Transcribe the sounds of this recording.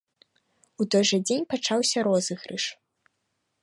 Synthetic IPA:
ut̪ɔjʐɐd͡zʲenʲpat͡ʂawsʲɐɾɔzɨɣɾɨ̰ʂ

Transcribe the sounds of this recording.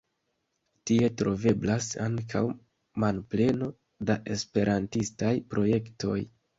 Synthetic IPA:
tie̞tɾo̞ve̞blasaŋkʰa̰w | manple̞no̞ | daʔe̞spe̞ɾʔantistajpɾʔo̞je̞kto̞̰j

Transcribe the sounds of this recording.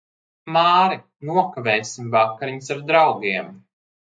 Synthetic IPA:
maːɾi | nuɔkavɛːsimvakaɾiɲusaɾd̪ɾawɡiɛm

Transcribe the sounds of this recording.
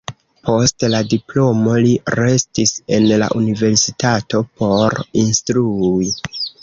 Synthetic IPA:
po̞stladiplo̞mo̞liɾe̞stise̞nla̰ʔunive̞ɾsitato̞po̞ɾinstɾui

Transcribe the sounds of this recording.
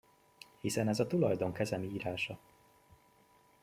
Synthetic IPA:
hisɛnɛzɒt̪ulɒjd̪o̞ŋkɛzɛmiiːɾaːʃɒ

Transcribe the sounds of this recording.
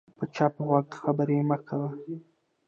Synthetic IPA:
pət͡ʃɑpəɣwɑk̚xabəɾeməxkawə

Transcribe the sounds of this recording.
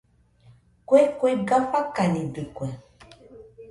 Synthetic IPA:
kwekweɡafakanĩdikwɛ

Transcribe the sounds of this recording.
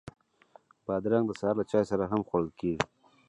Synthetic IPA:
b̥ɑd̪ɾaŋɡd̪əsːɾlat͡ʃɑːjsaɾaɦamxaɽəlkeɡi

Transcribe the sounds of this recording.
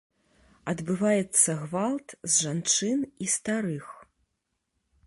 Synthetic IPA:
ɐd̪bɨvajɛt̪sːɐɣvalˠt̪zʐant͡ʂɨnist̪aɾɨx

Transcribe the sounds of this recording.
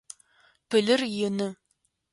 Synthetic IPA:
pʰɨɮɨrjɪnɨ

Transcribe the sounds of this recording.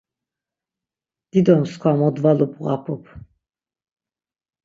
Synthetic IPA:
d̪̥id̪ɔmskʰwamɔd̪valubʁa̰pʰupʰ

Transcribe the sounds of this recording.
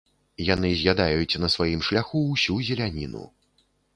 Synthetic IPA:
janɨzʲjad̪ajut͡sʲnɐsvajimʂlʲaxuːsʲuzʲɛlʲanʲinṵ

